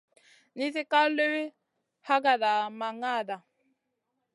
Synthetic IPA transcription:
ni˦zi˦ka˦le˦we˦ | ha˦ɡa˨da˨ma˨ŋa˦˨da˨

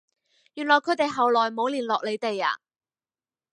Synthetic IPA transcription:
jyː˨nlɔː˨˩jkʰɵ˨˥t̪e˨jɦɐ˨wlɔː˨jmo˨˧wliː˨˩nlɔː˨k̚le˨˧jt̪e˨ja̰ː˨˩

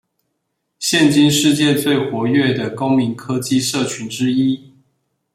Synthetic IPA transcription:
ɕjɛ˥˨nt͡ɕi˥nʂɻ̩˥˧t͡ɕjɛ˥˧t͡swe˥˩ɪxwɔ˧˥ɥɛ˥˩d̪ə˩ko˥ʊmi˨˧˥nkʰɤ˥t͡ɕi˥˧ʂɤ˥˩t͡ɕʰy˧˥nʈ͡ʂɻ̩˥i˥

